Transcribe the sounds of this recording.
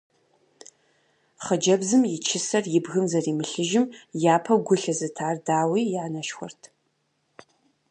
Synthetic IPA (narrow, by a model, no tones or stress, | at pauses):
χəd͡ʒɐbzɨmjɪt͡ʃʰɪsɐrjɪbɣɨmzɐriːmɨɬɨʒɪmjaːpʰɐwɡʷʊɬɐzɨtʰaːrdaːwiːjanɐʃxʷɔ̰rtʰ